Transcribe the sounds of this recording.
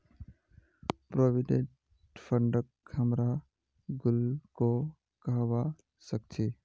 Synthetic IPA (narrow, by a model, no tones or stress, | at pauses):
pɾobiɖẽɳʈ | pʰəɳɖəkhəmɾa | ɡulko | kəɦba | sək̚t͡ʃʰi